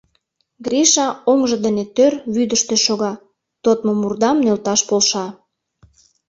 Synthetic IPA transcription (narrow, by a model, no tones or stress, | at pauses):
ɡɾiʃɑoŋʒə̆d̪ənet̪ørβyd̪əʃt̪eʃoɣɑ | t̪ot̪momurd̪ɑmnølt̪ɑʃpolʃɑ